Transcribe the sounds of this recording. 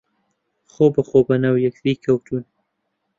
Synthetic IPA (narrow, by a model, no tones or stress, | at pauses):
xobaxobanawjakɾikawt̪ʰun